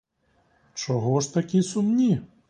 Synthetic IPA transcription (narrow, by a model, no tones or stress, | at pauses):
t͡ʃɔɦɔʃt̪ɐkʲisumnʲi